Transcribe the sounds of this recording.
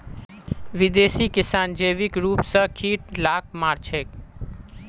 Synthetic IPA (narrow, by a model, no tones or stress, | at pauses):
ʋɪd̪esikɪsand͡ʒeʋikɾuːpsəkʰiʈ̚laːk̚maɾt͡ʃʰek